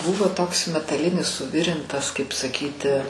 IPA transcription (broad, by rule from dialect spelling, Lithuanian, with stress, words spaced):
ˈbʊʋoː toːks mʲɛtɐˈlʲɪnʲɪs sʊˈʋʲɪrʲɪntɐs kɐɪp sɐˈkʲiːtʲɪ